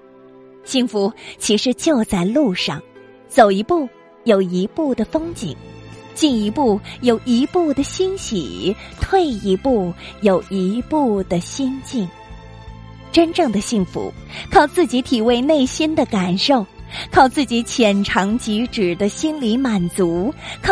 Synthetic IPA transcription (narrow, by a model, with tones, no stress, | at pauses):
ɕi˥˩ŋfu˧˥t͡ɕʰi˧˥ʂɻ̩˧t͡ɕjo˥˧ʊt͡sa˥˧ɪlu˥˧ʂɑ̰˥˩ŋ | t͡so˨˩ʊi˧˥pu˥˩ | jo˨˩ʊi˧˥pu˥˩d̪ə˩fɤ˥ŋt͡ɕḭ˨˩˦ŋt͡ɕi˥˩ni˧˥pu˥˩jo˨˩ʊʔi˧˥pu˥˩d̪ə˩ɕi˥nɕḭ˨˩t̪ʰwe˥˩ɪi˧˥pu˥˩jo˨˩ʊi˧˥pu˥˩d̪ə˩ɕi˥nt͡ɕi˥˩n | ʈ͡ʂə˥nʈ͡ʂɤ˥˩ŋd̪ə˩ɕi˥˩ŋfṵ˧˥ | kʰɑ˥˧ʊt͡sɹ̩˥˩t͡ɕi˧˥t̪ʰi˨˩we˥˧ɪne˥˩ɪɕi˥nd̪ə˨ka˨˩nʂo˥˩ʊkʰɑ˥˧ʊt͡sɹ̩˥˩t͡ɕi˧˥t͡ɕʰjɛ˨˩nʈ͡ʂʰɑ˧˥ŋt͡ɕi˧˥ʈ͡ʂɻ̩˨˩d̪ə˦ɕi˥nli˧˥ma˨˩nt͡su˧˥kʰ